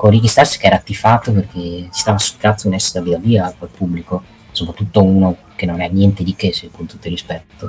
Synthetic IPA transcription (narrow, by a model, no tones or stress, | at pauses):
koriɡist̪arsi̥keɛɾat̪ːifaːt̪op̬erkʰet͡ʃi̥st̪aːvasu̥t̪ːɾat̪sounɛsːɾavid̪aviakalpubːliko | sopɾat̪ːut̪ːouno | kenonɛnːjɛnt̪ed̪ikesekont̪ut̪ːoilrːispɛt̪ːo